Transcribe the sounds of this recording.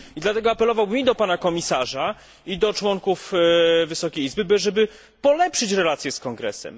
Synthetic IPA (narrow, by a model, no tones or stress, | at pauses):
id̪lat̪ɛɡɔapɛlɔvawmʲid̪ɔpanakɔmʲisaʐa | id̪ɔt͡ʂwɔŋkufvɘsɔkʲejizbɘbɘʐɛbɘ | pɔlɛpʂɘt͡ɕɾɛlat̪sʲjɛskɔŋɡɾɛ̰sɛ̰m